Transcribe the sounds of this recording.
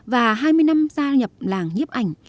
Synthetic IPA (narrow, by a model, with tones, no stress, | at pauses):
vaː˨˩ɦaː˧jmɨ˧əjna˧mzaː˧ɲə˨˩p̚laː˨˩ŋɲi˦˥p̚ʔa˨˩jŋ̟